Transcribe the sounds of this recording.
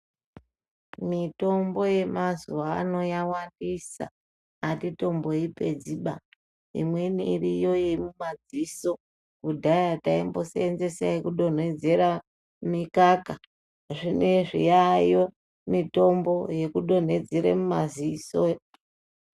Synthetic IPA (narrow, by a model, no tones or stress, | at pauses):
mito̞mbo̞je̞mazuʋa̰ːno̞jawandisa̰ː | tito̞mbo̞ipe̞d͡ziɓa | ḭmwe̞niːrijo̞imumad͡ziso | kudʱajataimbo̞seenze̞saikuɗo̞n̤e̞d͡ze̞ɾa | mikaka | ʐine̞ʐḭjajo̞ | mito̞mbo̞je̞kuɗo̞n̤e̞d͡zeɾḛmumaziso